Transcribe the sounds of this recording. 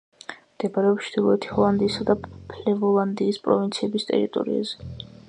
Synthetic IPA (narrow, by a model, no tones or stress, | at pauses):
md̪̥ɛbaɾɛɔpt͡ʃd̪̥ilˠɔɛt̪ʰi̥hɔlˠand̪iːsad̪apʰlɛvɔlˠand̪iːspʼɾɔvint̪sʰiɛbist̪ʼɛ̰ɾit̪ʼɔ̰ɾḭa̰zɛ